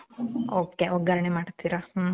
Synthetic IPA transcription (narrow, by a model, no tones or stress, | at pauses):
oːkeoɡɐɾɐɳemaːɽt̪iɾah